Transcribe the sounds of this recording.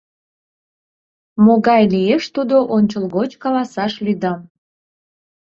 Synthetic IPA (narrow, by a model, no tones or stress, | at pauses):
moɣɑjlijeʃt̪ud̪oʔonʲt͡ɕəlɣot͡ɕkɑlɑsɑʃlyd̪ɑm